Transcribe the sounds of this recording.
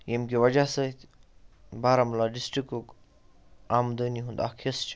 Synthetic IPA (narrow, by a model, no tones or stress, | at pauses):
jemkewɐd͡ʒasət̪ | baːɾamulaɖisʈɾikok | aːmd̪əniɦũnd̪a̰ːkʰest͡ʃʰ